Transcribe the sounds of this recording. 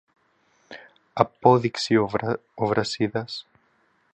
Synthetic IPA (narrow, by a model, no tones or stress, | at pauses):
ɐpoðiksioovɾɐsiðɐs